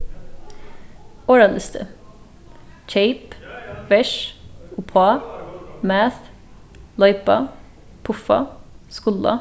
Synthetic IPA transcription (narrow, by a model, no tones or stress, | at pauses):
oːɹɑnəst̪ʰə̰ | c͡çʰeɪpʋɛʂʊpʰɑ | mæːθ | lɑʏpɑ | pʰʊfɑ̰skʊlɑ̰